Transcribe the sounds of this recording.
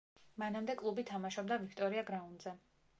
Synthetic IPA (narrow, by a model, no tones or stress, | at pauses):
manamd̪ɛkʼlˠubit̪ʰamaʃɔbd̪avikʰt̪ʼɔɾiaɡɾaund̪zɛ